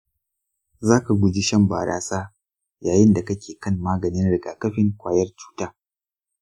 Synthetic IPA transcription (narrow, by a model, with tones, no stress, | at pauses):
zaː˦ka˨ɡʷʊ˨d͡ʒi˦ʃɐ˦mbaː˨ɽa̰ː˨saː˦ | jaː˨jɪ˦nda˨kɐ˦kʲeː˨kɐ˦˨mːaː˦ɡɐ˨nɪ˦nɽɪ˨ɡaː˨kɐ˦ɸɪ˦ŋkʷaː˨jɐ˦rt͡ʃu̥ː˦taː˦